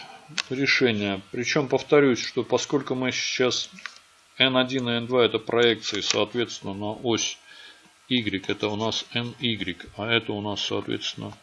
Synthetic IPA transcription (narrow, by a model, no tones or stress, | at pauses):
ɾʲɪʂɛnʲɪjəpɾʲɪt͡ɕo̞mpəft̪ɐɾʲusʲʂt̪o̞pɐsko̞lʲkʊmɨɪ̥ɕas | ɛnɐdʲinɨɛnd̪vaɛt̪əpɾʔɐɛk̚t̪sɨɪsɐːt̪vʲe̞t̪st̪ʲɪnːənɐʔosʲ | iɡɾʲɪkɛt̪əʊnasɛniɡɾʲɪkaɛt̪əʊnasːɐːt̪vʲḛt̪st̪vʲɪ̰nə